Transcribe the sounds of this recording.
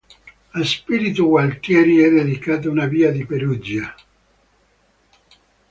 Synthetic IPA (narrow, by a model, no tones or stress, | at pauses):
aspiɾit̪uɡwalt̪jɛːɾiɛd̪ed̪ikaːt̪̬aunaviːad̪ipeɾud͡ʒa